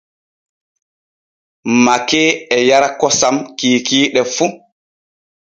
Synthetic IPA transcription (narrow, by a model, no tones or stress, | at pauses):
makɛːɛjaɾakɔsamkiːkiːɗɛfu